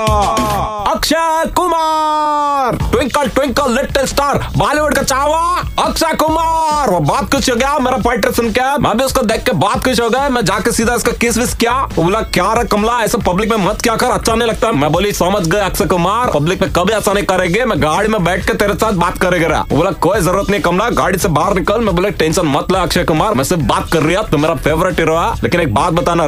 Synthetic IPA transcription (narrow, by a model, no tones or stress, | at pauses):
ɐkʃəkʊma | ɾʈwɪ̃ŋkːʈwɪ̃ŋkːalɪʈːelsʈaːɾbaːliʋəɽkat͡ʃaːʋaɐkʃakʊmaːɾʋobaːt̪̚kʊt͡ʃʰoɡɐjaomeːɾapeɪʈɾesɐnkamʔɛ̰̃ːbʱiʊskad̪eːkʰːebaːt̪̚kʊt͡ʃʰɦoɡɐemɛ̃d͡ʒaːkesiːd̪ʱaɪskakɪsʋɪskjaʊblakjaɾɐkːɐmlaɛːsapɐblɪkmẽmɐt̪kjakɐɾɐtːʃʰanɐɦĩlɐɡ̚t̪aɦɛmɛ̃boːlisɐməd͡ʒɡɐeɐkʃekʊmaːɾpɐblɪkmẽkɐbʱiɐsanɐɦĩkɐɾeɡemɛ̃ɡaːɽimẽbɛːʈ̚ʰket̪eːɾesaːt̪̚ʰbaːt̪kɐɾeɡɐɾa̰o̰blakoːizɐɾuːɾət̪nɐĩkɐmlaɡa̰ːɽisebaːɾnɪkəlmɛ̃boːleʈẽːnʃənmɐt̪lɐɐkʃʰekʊmaːɾmɛ̃sɪɾbbaːt̪kɐɾːiat̪omeːɾapʰeːʋɾɪʈiɾoaleːkɪneːk̚baːt̪̚bɐt̪aːna